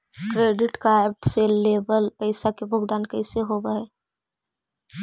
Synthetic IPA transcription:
kɾeːɖɪʈkaɛp̚ʈseleːbəlpəɪsakebʱʊɡd̪aːnkəɪseɦoːbaeː

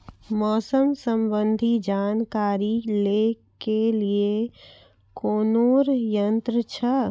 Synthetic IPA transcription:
mɔːsəmsəmbənd̪ʱid͡ʒaːnkaːɾile | kelie | koːnoːɾjənt̪ɾət͡ʃʰə

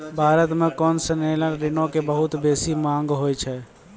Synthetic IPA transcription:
bʱaːɾət̪mẽkɔːnsəneləɾɾinõkebəɦut̪besimãŋɡɦojt͡ʃʰɛ

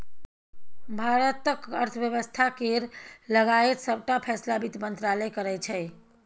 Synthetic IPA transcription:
bʱaɾət̪əkəɾt̪ʰəbjəβəst̪ʰakeɾləɡaet̪səb̚ʱʈapʰɛslabit̪mənt̪ɾaləjkəɾɛt͡ʃʰɛ

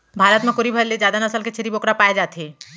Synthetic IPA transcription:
bʱaːɾət̪mẽkʊɾibʱəɾled͡ʒaːd̪anəsəlket͡ʃʰeɾibokɾapaːed͡ʒaːt̪e

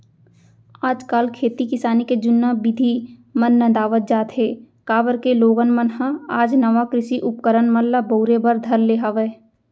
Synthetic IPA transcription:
aːd͡ʒkaːlkʰeːt̪ikɪsaːniked͡ʒʊnːabɪd̪ʱimənːɐ̃d̪aːʋət̪̚d͡ʒaːt̪ɦeː | kaːbəɾkeloːɡənmənɦãaːd͡ʒnɐʋakɾɪʃiʔʊp̚kəɾənməllaboʊɾebəɾd̪ʱɐɾleːɦaʋeː

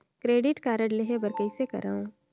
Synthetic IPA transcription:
kɾeːɖɪʈkaːɾəɽleɦebɐɾkəɪsekɐ̰ɾa̰ːũː

